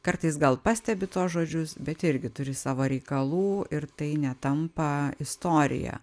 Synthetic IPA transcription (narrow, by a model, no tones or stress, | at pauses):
kɐɾt̪ɐɪsɡɐlˠpɑsʲt̪ʲɛbʲɪt̪uːsʒoːd͡ʒʲʊsbʲɛt̪ɪɾʲɡʲɪt̪ʊɾʲɪsɑːʋoːɾʲɛɪkɐlˠuːɪɾt̪ɐɪnʲɛt̪ɐmpɐɪst̪oːɾʲɪ̰jɛ̰